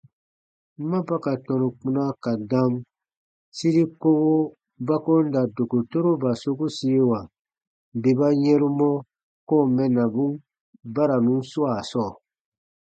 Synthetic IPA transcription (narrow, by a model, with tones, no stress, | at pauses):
mã˦pa˦ka˨tɔ̃˨nũ˨k͡pũ˧nã˦ka˨dã˦m˦ | si˦ɾi˦ko˦ɡo˦ | ba˦ko˦n˦da˨do˨ko˨to˦ɾo˦ba˨so˦ko˦si˦e˦wa˨ | be˨ba˦ɲɛ̃˦ɾũ˦mɔ˦ | ko˦˨mɛ˦nã˨bũ˦ | ba˦ɾa˨nũ˨˦su˦a˨sɔː˦˨